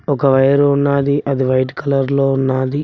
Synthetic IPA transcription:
ɔkɐʋɐjɐɾounːaːd̪iʔɐd̪iʋɐjʈkɐlɐɾlo̞ːunːaːd̪i

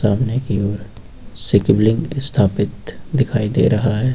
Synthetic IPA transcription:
aːmnekiɔːɾ | sɪkɪblɪ̃ŋɡɪst̪ʰaːpɪt̪d̪ɪkʰaːid̪ḛːɾɐɦaɦɛː

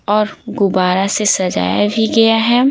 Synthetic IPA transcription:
ɔːɾɡʊbaːɾasesɐd͡ʒa̰ːja̰bʱiɡɐjaɦɛ

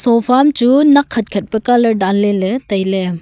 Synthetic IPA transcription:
sɔpʰamt͡ʃunɐkʰːɐt̚kʰɐt̚pɐkalɐdalːeletɐjle

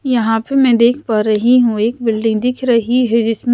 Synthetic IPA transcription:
jɐɦãpemɛ̃d̪eːkʰpaːɾɐɦiɦũeːkbɪlɖɪ̃ŋɡd̪ɪkʰɾɐɦiɦɛd͡ʒɪsm

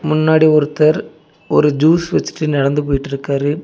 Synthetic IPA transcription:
mʊnːaːɽiɔɾɯt̪ːɐɾ | ɔɾɯd͡ʒuːsʋɐt͡ʃːɪ̥ʈːɯnɪɽɐnd̪ɯpoːjɪʈːɪɾɯkːaːɾɯ

